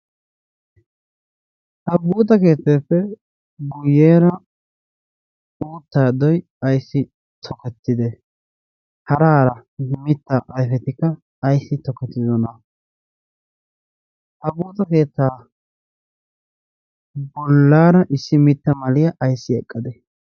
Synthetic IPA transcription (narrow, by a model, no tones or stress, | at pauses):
ʔɐbuːt̪̬ʼɐke̞ːt̪ːeːpːɛ | ɡʊjːeːɾɐ | uːt̪ːaːd̪ɔj | ɐjsːɪ | t̪ʰɔkɛt̪ːɪd̪ɛ | hɐɾaːɾɐmɪt̪ːɐʔɐjfɛt̪ɪkːɐː | jsːɪt̪ɔkɛt̪ːɪzɔnɐ | ʔɐbuːt̪ʼɐke̞ːt̪ːaː | bɔlːaːɾɐʔɪsːɪmɪt̪ːɐmɐlɪjɐʔɐjsːɪɛkʼːɐd̪ɛ